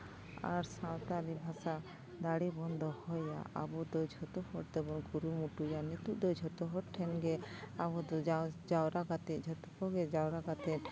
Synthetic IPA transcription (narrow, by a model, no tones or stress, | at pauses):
a̰ɾsãwt̪aɾibʱasa | d̪aɽibɔnd̪ʱɔhɔjja̰ʔa̰bɔd̪ɔd͡ʒʱɔt̪ɔhɔʈ̚d̪ɛbɔnɡuɾumuʈujanit̪uʔd̪ɔd͡ʒʱɔt̪ɔɦɔɾʈʰɛnɡɛabɔd̪ɔad͡ʒawɾaɡat̪ɛʔd͡ʒʱɔt̪ɔkɔɡɛd͡ʒawɾaɡat̪ɛt̪